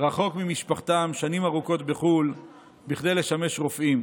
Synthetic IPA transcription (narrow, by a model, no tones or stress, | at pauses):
ʁaχo̞kmimiʃpaχt̪amʃanimaʁuko̞t̪be̞χul | biχd̪e̞jle̞ʃame̞ʃʁo̞fʔim